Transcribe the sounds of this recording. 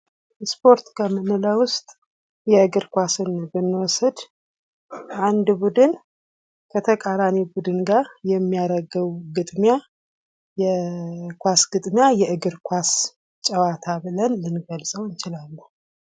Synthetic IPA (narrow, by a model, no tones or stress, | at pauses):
spʰo̞ɾt̪kʰəmɨnɨləwʊst̪ʼ | jɛɨɡɨɾkʷasɨnbɨnːwɔsɨd̪ | ʔand̪bud̪ɨn | kʰət̪ʰəkʼaɾanibud̪ɨnɡaɾjɛmːijaɾəɡəwɡɨd̪ʼmja | jɛkʷasɡɨd̪ʼmjajɛʔɨɡɨɾkʷas | t͡ʃʼəwat̪ʰabɨlənlɨnɡəlsʼəwɨnt͡ʃɪlalːuh